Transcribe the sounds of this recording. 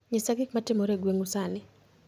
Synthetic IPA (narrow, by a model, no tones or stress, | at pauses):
ɲɪsaɡɪkmatɪmɔɾeɡweŋusanɪ